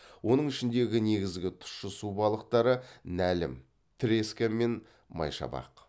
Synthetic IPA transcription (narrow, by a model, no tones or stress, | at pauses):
wo̞nəɴɪʃɪnd̪e̞ɡʲɪne̞ɡʲɪzɡʲɪt̪ʰʊ̥ʃʃəsubɑlˠəq̚t̪ɑɾənælɪ̰m | t̪ʰɪɾeskʲame̞n | mɑ̰jʃɑ̰bɑ̰q